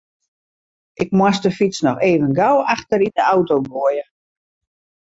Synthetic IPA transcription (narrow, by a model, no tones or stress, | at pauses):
ʔɪk̚mwɔstəfit͡snɔxeːvənɡawaxtəɾidəawtowɡoəjə